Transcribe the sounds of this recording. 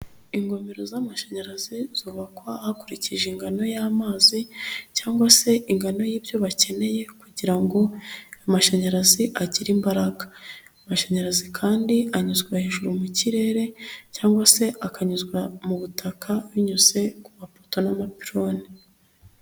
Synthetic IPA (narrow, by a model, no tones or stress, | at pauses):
iŋɡo̞meɾo̞zamaʃaɲaɾaziz̥uːβakwahakuɾiciʒeŋɡano̞jaːmaːzicaːŋɡwase̞iŋɡano̞jiːbjo̞βace̞ne̞je̞kuɟiɾaŋɡo̞amaʃaɲaɾaziʔaɟiɾimbaɾaɡḁamaʃaɲaɾazikʰaːndiaɲuzɡwaheʒuɾumuciɾe̞ːɾe̞caːŋɡwase̞ʔakaɲuzɡwamuβutʰakʰawiɲuze̞kumapoto̞namapiɾo̞ːni